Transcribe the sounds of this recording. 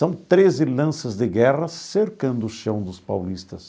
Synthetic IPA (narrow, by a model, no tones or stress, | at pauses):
sɐ̃w̃t̪ɾezɪlɐ̃sɐzd̪ɪɡɛʁɐseɾkɐ̃nd̪ʊʃɐ̃w̃d̪ʊspa̰wlist̪ɐs